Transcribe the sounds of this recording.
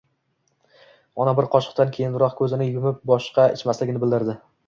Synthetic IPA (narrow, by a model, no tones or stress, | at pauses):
ɒnabɪɾqʰɒʃɨ̥q̚t̪ankʲʰe̞jɪnɾɒqkʰɵzɪnɪjʊmɪp̚bɒʃqɑɪ̰t͡ʃmaslɪɡʲɪnɪbɪld̪ɪɾd̪ɪ